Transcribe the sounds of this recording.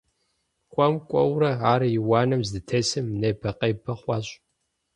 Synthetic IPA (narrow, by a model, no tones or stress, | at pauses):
kʷʼɔmkʷʼɔ̰wɾɐaːɾɐjɪwɑːnɐmzdɨtʰɐsɨmnɐbʰɐqʼɐjbʰɐχʷɑːɕʼ